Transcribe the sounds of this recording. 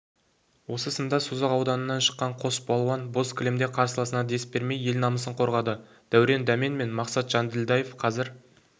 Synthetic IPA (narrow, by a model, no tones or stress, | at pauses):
wo̞səsənd̪ɑsuzɑqɑwd̪ɑnənːɑnʃə̥qːɑɴqʰo̞sbɑlˠuwɑnbo̞skʰʲlemd̪e̞qʰɑɾsəlˠɑsənɑd̪e̞spbe̞ɾme̞je̞lnɑməsəɴqʰo̞ɾʁɑd̪ə | d̪̥æwɾe̞nd̪ɑme̞nme̞nmɑqsɑt̪ʒ̥ɑnd̪ɪld̪ɑjefqʰɑzɪɾ